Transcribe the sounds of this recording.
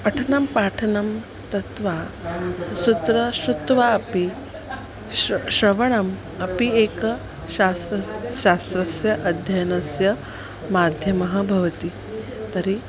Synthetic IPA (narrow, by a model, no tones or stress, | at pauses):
pɐʈʰɐnɐmpaːʈʰɐnɐm | t̪ɐt̪ʋa | sut̪ɾɐʃut̪ʋaɐpi | ʃɾɐʋɐɳ̃ɐm | ɐpieːkɐ | ʃast̪ɾɐʃaːst̪ɾɐsjɐʔɐd̪ʱjɐjɐnɐsjɐ | maːd̪ʱjɐmɐɦɐ̆bʱɐʋɐt̪i | t̪ɐɾi